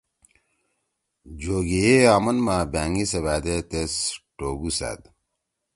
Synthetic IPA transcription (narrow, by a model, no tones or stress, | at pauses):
d͡ʑoːɡejeaːmɐnmaːbaːŋɡiseβaːd̪et̪esʈoːɡusa̰ːd̪